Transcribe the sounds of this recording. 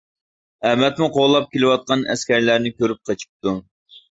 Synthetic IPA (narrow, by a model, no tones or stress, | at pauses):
ɛmɛt̪muqʰolˠːɑp̚kʲelɪwɑt̪̚qɑnɛskʲɛɾlæɾnɪkʲʰøɾyp̚qʰɑt͡ʃʰɨ̥p̚t̪u